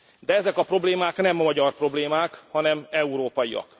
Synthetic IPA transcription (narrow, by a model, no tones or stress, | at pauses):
d̪ɛɛzɛkɒpro̞bleːmaːknɛmmɒɟɒrpro̞bleːmaːkhɒnɛmɛuɾoːpɒjiɒ̰k